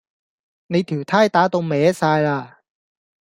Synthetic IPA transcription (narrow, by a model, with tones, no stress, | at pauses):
ne˨˧jt̪ʰiː˨˩wt̪ʰaː˥jt̪aː˨˥t̪o˧wmɛː˨˥saː˧jlaː˧